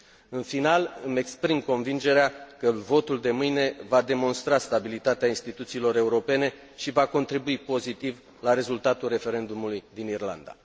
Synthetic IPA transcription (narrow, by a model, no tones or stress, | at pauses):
ɨnfinalɨme̞kspɾimko̞nvind͡ʒe̞ɾeakəvo̞t̪uld̪e̞mɨjne̞vad̪e̞mo̞nst̪ɾast̪abilit̪at̪eainst̪it̪ut̪siːlo̞ɾe̞uɾo̞pe̞ne̞ | ʃivako̞nt̪ɾibuipo̞zit̪iv | laɾe̞zult̪at̪ulre̞fe̞ɾe̞nd̪umulujd̪inirla̰nd̪a̰